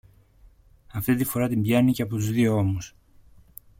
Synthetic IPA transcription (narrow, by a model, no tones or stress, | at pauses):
ɐft̪it̪ifo̞ɾɐt̪imbʝɐniceɐpo̞t̪uzðio̞o̞mus